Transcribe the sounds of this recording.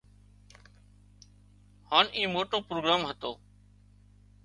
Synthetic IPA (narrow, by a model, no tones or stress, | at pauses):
haːniːmoːʈoːpɾoːɡɾaːmɦət̪oː